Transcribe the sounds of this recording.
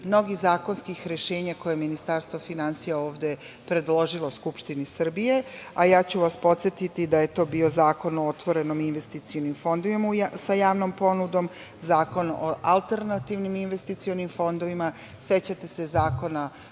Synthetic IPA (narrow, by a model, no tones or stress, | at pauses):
mno̞ɡizaːko̞nskixɾe̞ʃe̞ːɲako̞jeminist̪aɾst̪ʋo̞finansijao̞ːʋd̪e̞ | pɾe̞d̪lo̞ʒilˠo̞uskupʃt̪inisr̩bije̞ajaːt͡ɕuʋaspo̞t̪sje̞t̪it̪id̪aje̞t̪o̞ːbio̞zaːko̞noot̪ʋo̞ɾe̞no̞minʋe̞st̪it̪sijonimfo̞nd̪oʋimauasajaːʋno̞mpo̞nud̪o̞m | zaːko̞no̰ʔalˠt̪e̞ɾnat̪iʋniminʋe̞st̪it̪sionimfo̞nd̪o̞ʋima | se̞t͡ɕat̪e̞se̞zaːko̞na